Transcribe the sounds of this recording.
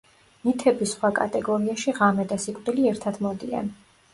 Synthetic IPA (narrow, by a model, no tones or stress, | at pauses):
nit̪ʰɛbisχwakʼa̰t̪ʼɛɡɔɾiaʃiʁamɛd̪asikʼd̪iliɛɾt̪ʰad̪mɔd̪ia̰n